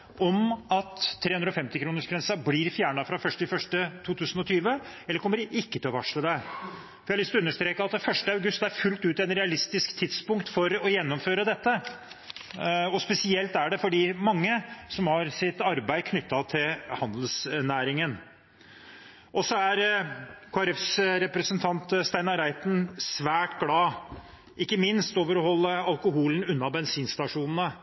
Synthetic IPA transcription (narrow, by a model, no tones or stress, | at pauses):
ʔɔmɑt̪ʰːeːʉnd̪ɾɔfɛmt̪ɪkɾuːnəʂɡɾɛnsɑbliɾfjæːɳɑfɾɑfœʂʈɪfœʂʈət̪ʰuːt̪ʰʉːsnɔt̪ʰyːʋəɛlːəɾkʰɔmːəɾɪkːət̪ʰɪlɔʋɑʂɭəd̪æ | fɔɾjɛɪlɪst̪ɔʉnːəʂt̪ɾeːkəɑt̪fœʂʈəɑʉɡʉst̪æɾfʉlt̪ʉːt̪ɛnɾɛɑlɪst̪ɪskt̪ʰɪd̪spʊŋkt̪fɔɾɔjɛnːɔmføːɾəd̪ɛt̪ːə | ɔspɛsɪɛlt̪æɖɛfɔɖiːmɑŋːəsɔmhɑɾsɪt̪ɑɾbæɪkʰnʏt̪ːɑt̪ʰɪlhɑnd̪əl̩snæːɾɪŋən | ʔɔsɔæɾkʰoːɛɾɛfsɾɛpɾəsənt̪ʰɑnt̪st̪æɪnɑɾæɪt̪n̩sʋæːʈɡlɑː | ʔɪkːəmɪnst̪oːʋəɾɔhɔlːəɑlˠkʊɦuːln̩ʉnːɑbɛnsiːnst̪ɑʂuːnn̩ə